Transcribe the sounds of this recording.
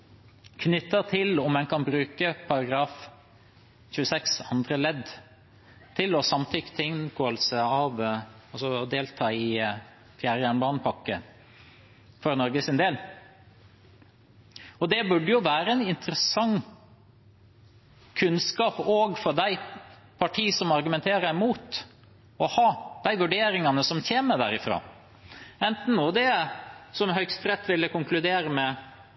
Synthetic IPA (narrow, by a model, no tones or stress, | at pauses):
kʰnʏt̪ːət̪ʰɪlɔmɛnkʰɑnbɾʉːkəpʰɑɾɑɡɾɑːf | çʉːəsɛksɑnd̪ɾəlɛd̪ | t̪ʰɪlɔsɑmt̪ʰʏkːt̪ʰɪɪnkʰoːəlsəɑʋɑsɔd̪eːlt̪ʰɑːɪ | fjæːɾjæːɳbɑːnəpʰɑkːə | fɔɾnɔɾɡəsɪnd̪eːl | ɔd̪ɛbʉɖəjʊʋæːɾəɛnɪnt̪əɾəsɑŋ | kʰʉnskɑːpɔːɡfɔd̪æɪ | pʰɑʈʰiːsɔmɑɾɡʉmɛnt̪ʰeːɾəɛmuːt̪ | ɔhɑːd̪̥æɪʋʉɖeːɾɪŋɑnəsɔmçeːməd̪æ̰ːɾɪfɾɑ̰ː | ɛnt̪n̩nuːd̪ɛsɔmɦœʏkst̪ɾɛt̪ːʋɪlːəkʊŋklʉd̪eːɾəmɛ